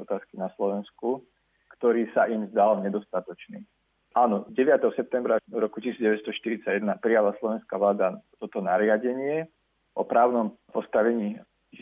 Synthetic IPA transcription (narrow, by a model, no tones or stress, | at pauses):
ɔt̪aːskinaslɔʋɛnsku | kt̪ɔɾiːsaʔimzd̪alɲɛd̪ɔst̪at̪ɔt͡ʃnḭː | ʔaːnɔɟɛʋɪat̪ɛɦɔsɛp̚t̪ɛmbɾaɾɔku̥cisiːd͡zɟɛʋɛt̪st̪ɔʃt̪iɾit͡saɟjɛd̪napɾijalaslɔʋɛnskaʋlaːd̪at̪ɔt̪ɔnaɾɪaɟɛɲɪɛ | ʔɔpɾaːʊnɔmpɔst̪aʋɛɲiː